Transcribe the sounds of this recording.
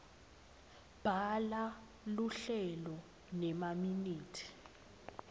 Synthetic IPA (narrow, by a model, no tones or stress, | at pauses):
b̥ʱala | luɬɛlɔ | nɛmaminiːtʰi̥